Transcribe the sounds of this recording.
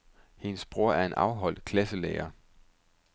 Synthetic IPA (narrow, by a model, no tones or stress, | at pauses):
he̝nəsb̥ʁo̝ɐ̰æɐe̝nʔɑ̈ʊɦɒ̽l̰d̥̚kʰlæsəlḛːɐ